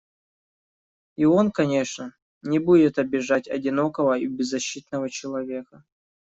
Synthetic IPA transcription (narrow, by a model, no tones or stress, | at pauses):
io̞nkɐnʲeʂnə | nʲɪbudʲɪt̪ɐbʲɪʐatʲɐ̰dʲɪnokəvəibʲɪzːɐɕːit̪nəvət͡ɕɪlˠɐvʲekə